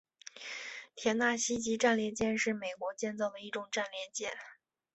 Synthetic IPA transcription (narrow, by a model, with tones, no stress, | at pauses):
t̪ʰjɛ˧˥nt̪a˥˩ɕi˥t͡ɕi˧˥ʈ͡ʂa˥˧nljɛ˥˧t͡ɕjɛ˥˧nʂɻ̩˥˩me˨˩ɪkwɔ˧˥t͡ɕjɛ˥˧nt͡sɑ˥˩ʊd̪ə˩i˥˩ʈ͡ʂʊ˨˩ŋʈ͡ʂa˥˧nljɛ˥˧t͡ɕjɛ˥˩n